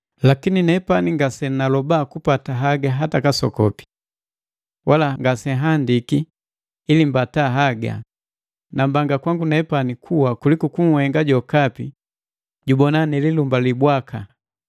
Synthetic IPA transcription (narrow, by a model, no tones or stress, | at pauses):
lakininɛpaniŋɡasɛnalɔbaːkupataɦaɡaɦatakasɔ̰kɔ̰pi̥ | wʔalaŋɡasɛɦandikiː | limbataɦaɡa̰ | nambaŋɡakwaŋɡunɛpanikʰuwakulikukuŋ̩hɛŋɡaɟɔkapi | ɟubɔnanɛlilumbalibwakʰa